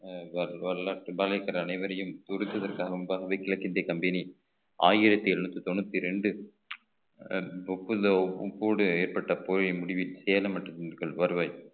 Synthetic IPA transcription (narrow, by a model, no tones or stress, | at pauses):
ɐɐɭaːʈːbɐlɐɪkːɐɾɐːnɐɪʋɐɾɐjɯmt̪ʊɾɯkːɐðɐrkaːɣɐʊmbaːɣɐʋɐkːɪlɐkːɪnd̪ekɐmbɛni | a̰ːjɪɾɐt̪ːiɛɾnut̪ːɯt̪ɔnːɯt̪ːiɾɛɳɖɯ | ɔpːɯðɐʊpːoːɽɯeːɾpɐʈːɐpoːɾɐmʊɽɪʋɪlsɛːlɐmɐʈːɯkɐɭʋɐɾɯʋɐj